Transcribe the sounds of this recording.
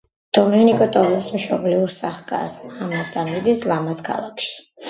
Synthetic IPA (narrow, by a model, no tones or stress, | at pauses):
d̪̥ɔmɛnikʼɔt̪ʼɔvɛpsmʃɔbliuɾsaχkʼa̰samasd̪amid̪islˠamaskʰa̰lˠakʰʃi̥